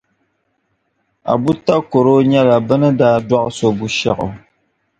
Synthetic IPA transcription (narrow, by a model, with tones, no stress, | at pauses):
a̰˨bu˦ta˦ko˨ɾo˦ɲɛ˦la˨bɨ˦nɨ˦daː˦dwɔ˦ʔso˦bu˦ʃɛ˦ʔʊ̰˨